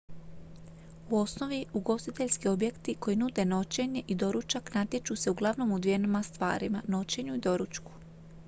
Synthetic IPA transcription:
uo̞sno̞ʋiuɡo̞st̪it̪e̞ʎskio̞bje̞kt̪iko̞jinud̪e̞no̞t͡ɕe̞ɲe̞ʔid̪o̞ɾut͡ʃaknat̪jet͡ʃuse̞uɡlˠaʋno̞mud̪ʋije̞nomast̪ʋa̰ːɾimano̞t͡ɕe̞ɲuid̪o̞ɾut͡ʃku̥

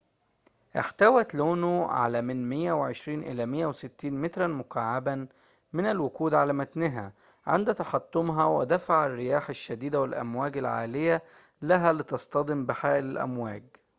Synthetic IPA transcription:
ʔɪ̰ħt̪æwæt̪loːnuʕa̰læːmɪnmɪjːæwɪʕeʃɾiːnʔɪ̰læːmɪjːæwsɪt̪ːiːnmɪt̪ɾˤɑnmʊkʰaʕːabæ | mɪnælwʊkuːd̪ʕalæːmæt̪nɪɦæ̰ | ʕɪ̰nd̪æt̪ɑħɑt̪ˤːʊmɦɑwɪ̰d̪æfaʕarːɪjaːħaʃːæd̪iːd̪æwɪlʔæ̰mwæːɡalʕa̰ːlɪjæ | læɦæːlɪt̪ɑst̪ɑd̪ˤɪmbɪħaːʔɪlɪlʔæ̰mwæːɡ̚

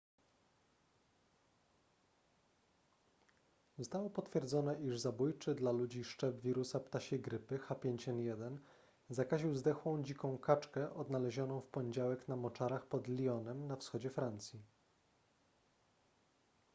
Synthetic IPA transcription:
zust̪awɔpɔt̪fʲjɛɾd̪zɔnɛʔiʐzabujt͡ʂɘd̪lalud͡ʑiʂt͡ʂɛbvʲiɾusapt̪aɕeɡɾɘpɘxapʲjeɲt͡ɕɛnjɛd̪ɛn | zakaʑiwzd̪ɛxwɔ̃w̃d͡ʑikɔ̃w̃kʰat͡ʂkɛʔɔd̪nalɛʑɔnɔ̃w̃fpɔɲed͡ʑawɛknamɔt͡ʂaɾaxpɔd̪lʲiɔnɛmnafsxɔd͡ʑɛfɾant̪sʲji

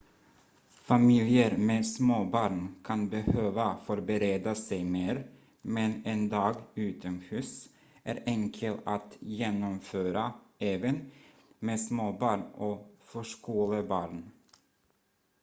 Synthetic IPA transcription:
familjəɾmeːsmoːbɑːɾɳkʰɑnbəhøːvafɔɾbəɾeːd̪asɛjmeːɾ | mɛnend̪ɑːɡʉːt̪ɔmhʉːs | ʔæːɾʔɛŋkʰəlat̪jeːnɔmføːɾaeːvən | meːsmoːbɑːɳɔfœʂkuːləbɑːɾɳ

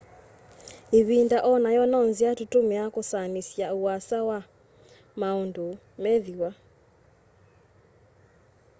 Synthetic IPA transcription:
eβindaʔɔnajɔnɔnziatutomeakosanisjaowasawa | maondo | mɛðiwa

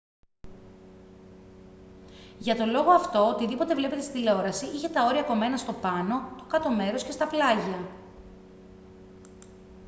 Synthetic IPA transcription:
ʝɐt̪o̞lo̞ɣo̞ɐft̪o̞ot̪iðipo̞t̪e̞vle̞pe̞t̪esiileo̞ɾɐsiʔiçet̪ɐo̞ɾiɐko̞me̞nɐst̪o̞pɐno̞t̪okɐt̪o̞me̞ɾo̞sce̞st̪ɐplɐʝɐ

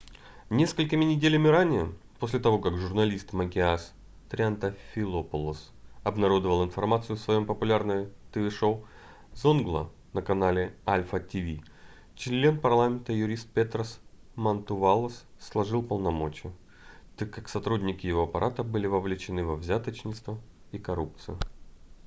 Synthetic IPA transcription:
nʲe̞skəlʲkɪmʲɪnʲɪdʲelʲɪmʲɪɾanʲɪjə | posʲlʲɪt̪ɐvo̞kakʐʊrnɐlʲist̪məkʲɪas | t̪ɾʲɪɐnt̪əfʲɪlˠopʊlˠəs | ɐbnɐɾo̞d̪əvəlˠɪnfɐrmat̪sɨjʊsvɐjo̞mpəpʊlʲarnəjət̪ɨvʲɪʂow | zonɡlˠə̰ | nəkɐnalʲɪalʲfətʲɪvʲi | t͡ɕɪlʲlʲenpɐrlˠamʲɪnt̪əjʊɾʲist̪̚pʲet̪ɾəs | mɐnt̪ʊvalˠəsːlˠɐʐɨlˠpəlˠnɐmo̞t͡ɕɪjʊ | t̪akːaksɐt̪ɾudʲnʲɪkʲɪjɪvoɐpɐɾʔat̪əbɨlʲɪvəvlʲɪt͡ɕɪnɨvɐvzʲat̪ət͡ɕnʲɪt̪st̪və | ikɐɾup̚t̪sɨjʊ

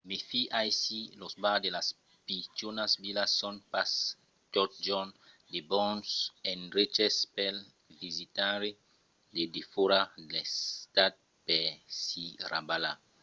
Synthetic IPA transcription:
mefiʔajsilosbadelas | pit͡ʃonasbilasːɔnpas | t̪ɔt̪̚d͡ʒɔn | debɔ̃nsɛnɾet͡ʃespɛl | vizit̪aɾe | dedefoɾadest̪at̪̚ | pɛsirabala

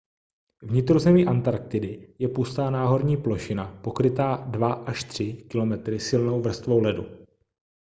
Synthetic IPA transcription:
vɲɪt̪ɾozɛmiːʔant̪aɾk̚t̪ɪdɪjɛpust̪aːnaːɦo̞ɾɲiːplo̞ʃɪnapo̞kɾɪt̪aːdvaʔaʃt̪r̝̥ɪkɪlo̞mɛt̪ɾɪsɪlno̞wvr̩st̪vo̞wlɛdu

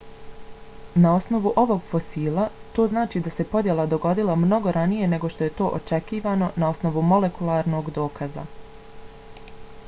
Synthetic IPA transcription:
nao̞sno̞ʋuʔo̞ʋo̞ɡfo̞siːlˠat̪oːznaːt͡ʃiːd̪ase̞po̞d̪je̞lad̪o̞ɡo̞d̪ilamno̞ɡo̞ɾanije̞ne̞ɡo̞ʃt̪o̞je̞t̪o̞ːʔot͡ʃe̞kiːʋaːno̞nao̞sno̞ʋumo̞le̞kulˠaːɾno̞ːɡd̪o̞ːkʰaza̰

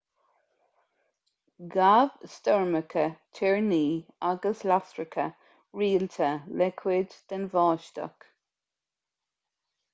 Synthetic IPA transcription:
ɡavst̪ɔɹməkʰətʰɪɹniːaɡəslasɹəkʰə̰ | ɹiːlt̪ʰəlɛkʰwɪd̪d̪̥ənvɑːʃt̪ə̰k

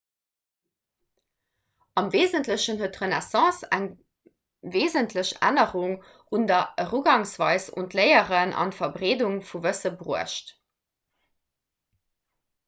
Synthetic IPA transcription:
ɑmveːzəntləɕənɦuətʁənɛsɑ̃ːsæ̰ŋ | veːzəntʰləɕæ̰nəʁuŋ | undɐəʁuɡɑŋsvɑɪso̰ntləɪəʁənʔɑ̰ntfɐbʁeːduŋfuvəsəbʁuəʃt

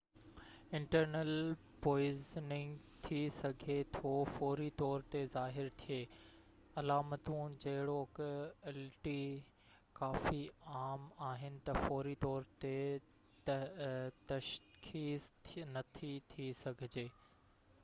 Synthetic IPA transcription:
ɪ̃ɳʈəɾnəl | poːɪznɪ̃ŋɡt̪ʰisɐɡʱet̪ʰofoːɾit̪ɔːɾt̪ezaːɦɪɾt̪ʰijeː | ɐlaːmət̪ũd͡ʑɐɦɪɽokɛːlʈi | kaːfiaːmaːɦɪnɪ̆t̪ɐfoːɾit̪ɔːɾt̪e | t̪ | t̪ɐʃxiːsnɐt̪ʰit̪ʰisɐɡʱɪd͡ʑeː

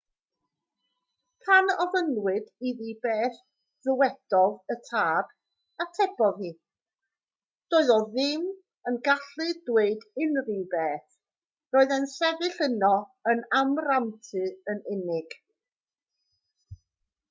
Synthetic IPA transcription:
pʰanɔvənwɪdiðibeːθ | ðəwɛd̥ɔðətʰaːb̥ | atʰɛb̥ɔðhiː | d̥oːɨðɔðɪm | ənɡaɬɨdweɨdɪnribeːθ | roːɨðɛnsɛðɪɬənɔənamramtʰɨənɪnɪɡ̥

